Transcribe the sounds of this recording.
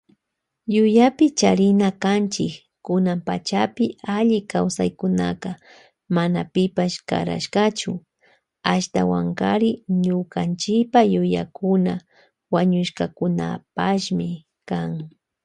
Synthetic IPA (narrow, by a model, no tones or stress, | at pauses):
jʊjapɪt͡ʃaɾɪnakant͡ʃɪk | kʊnampat͡ʃapɪaʎɪkawsajkʊnaka | manapɪpaʃka̰ɾa̰ʃkat͡ʃʊ | aʃt̪awaŋkaɾɪɲʊkant͡ʃɪpajʊjakʊna | waɲʊʃkakʊna̰paʃmɪ | kaŋ